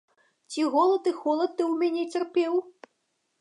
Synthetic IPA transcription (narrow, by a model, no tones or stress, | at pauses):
t͡sʲiɣɔlˠɐt̪t̪ɨxɔlˠɐt̪̚t̪ːɨwmʲanʲɛt͡sʲɛrpʲɛw